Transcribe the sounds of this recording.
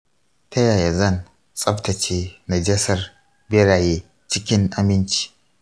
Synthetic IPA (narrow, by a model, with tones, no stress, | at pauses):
tʰɐ˦jaː˨ja˨zɐ˦˨n | t͡sʼɐ˦ɸtɐ˨t͡ʃeː˦na˨d͡ʒɐ˦sɐ˦r | bɪ˦ɽaː˨jeː˦ | t͡ʃɪ˦kʲɪ˦ŋʔa˨mɪ˦nt͡ʃi̥ː˨